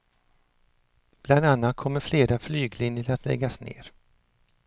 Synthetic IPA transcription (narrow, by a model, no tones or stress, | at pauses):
b̥land̪anːat̪̚kʰɔmːəɾfleːɾaflyːɡlɪnjəɾat̪lɛ̰ɡːasnḛːɾ